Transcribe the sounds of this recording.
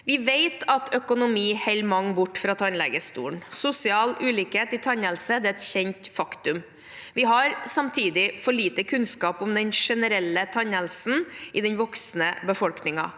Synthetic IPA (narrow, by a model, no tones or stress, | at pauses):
ʋɪʋeɪt̪ʰɑt̪ʰœkʊnʊmiːhɛɪlmɑŋbʊʈːfɾɑt̪ʰɑnlɛ̰ɡəst̪ṵːɳsʊsɪɑːlʔʉːliːkheːt̪ɪt̪ʰɑɲəlsəd̪ɛɾɛt̪çɛɲt̪fɑkt̪ʉm | ʋɪɦɑɾsɑmt̪ʰiːd̪ɪfɔɭiːt̪əkʰʉnskɑːpɔmd̪ɛnʂɛnəɾɛlːət̪ʰɑɲəlsn̩ɪd̪ɛnʋɔksnəbəfɔlknɪŋɑ̰